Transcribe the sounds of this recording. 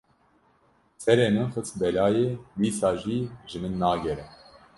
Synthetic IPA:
sɛɾeːnɨxət͡sbɛlɑːjeːwiːsɑːʒiːʒɨmɨnːɑːɡɛɾɛ

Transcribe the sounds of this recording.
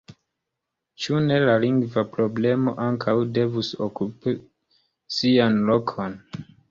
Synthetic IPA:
t͡ʃune̞laliŋɡvapɾo̞ble̞mo̞̰ʔaŋkʰawde̞vuso̰kupi | sianlo̞kʰo̞n

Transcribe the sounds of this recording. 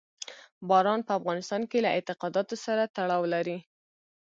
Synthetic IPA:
bɑɾɑnpəafɣɑnɪst̪ɑnkelaɪt̪ɪqɑd̪ɑt̪osaɾat̪aɽɑwlaɾi

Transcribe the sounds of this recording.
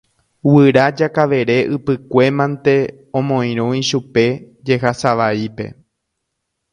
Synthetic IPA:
wɨɾad͡ʒakaʋe̞ɾe̞ʔɨpɨkʷe̞mãnt̪e̞ | õmõ̞ĩɾ̃õiʃupe̞ | d͡ʒe̞ɦasaʋaipe̞̰

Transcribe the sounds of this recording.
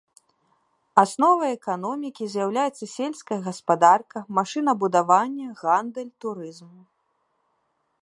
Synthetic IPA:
asnɔvɐɛkan̪ɔmʲikʲizʲjawlʲajɛt̪sɐsʲelʲskɐjɐɣɐspad̪arkɐmaʂɨnɐbud̪avanʲːɐɣand̪ɛlʲt̪uɾɨzmu

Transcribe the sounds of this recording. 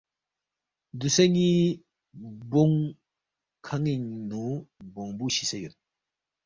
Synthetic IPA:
d̪useŋi | boŋ | kʰaŋiŋnubɔŋbuɕisejut̚

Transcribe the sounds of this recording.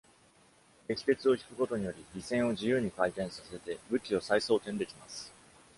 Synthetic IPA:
ɡe̞kʲi̥k̪e̞t͡sɨo̞çi̥kɯ̟ko̞t̪o̞ɲ̟ijo̞ɾʲiɾʲisẽ̞ɰ̃o̞ʑijɯːɲ̟ikait̪ẽ̞ɰ̃sase̞t̪e̞bɯ̟kʲio̞saiso̞ːt̪end̪e̞kʲimasɨ̥

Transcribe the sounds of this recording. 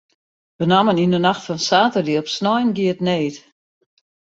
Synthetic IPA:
bənamənindənaxtfɔnsaːtədiɔpsnɔjnɡiətneːt

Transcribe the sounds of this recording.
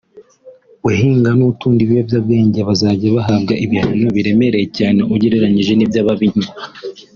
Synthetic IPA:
weɦiːŋɡanutuːndiβijovjaːb̚ɡe̞ːɲɟeβazaːɟiaβaɦaːbɡaʔiβihaɲoβiɾe̞me̞ɾe̞jecaːne̞ʔuɟeɾeɾaɲiʒe̞nibjaβaβiɲua

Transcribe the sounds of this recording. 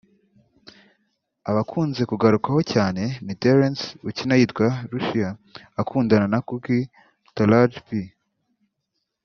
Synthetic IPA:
aβakʰuːnze̞kuɡaɾukaho̞caːne̞miteɾensucinajitɡwaɾuʃijaː | kʰuːndananakuɡi | talad͡ʒbi

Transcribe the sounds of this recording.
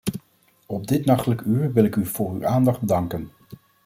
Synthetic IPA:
ɔb̚dɪtnɑχtələkyːɹʋɪlɪkyv̥ʊːɹy̰ʔaːndɑχd̚bdɑŋkən

